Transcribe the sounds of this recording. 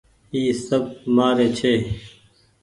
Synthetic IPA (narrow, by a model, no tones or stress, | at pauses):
iːsɐb̚maːɾeːt͡ɕʰeː